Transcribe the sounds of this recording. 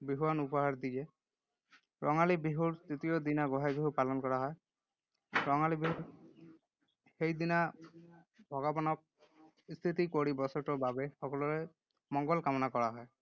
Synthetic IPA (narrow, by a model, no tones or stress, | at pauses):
biɦuwanupɔɦaɾd̪ie | ɾʔɔŋalibiɦuɾst̪it̪ijod̪inaɡɔɦajbiɦupalɔnkɔɾaɦɔe | ɾɔŋalibiɦuɾ | hejd̪ina | bʱɔɡɔbɔnɔk̚ | st̪ʰit̪ikoɽibɔsɔʈɔbabexɔkɔlɔɾe | mɔŋɡɔlkamɔnakɔɾaɦɔe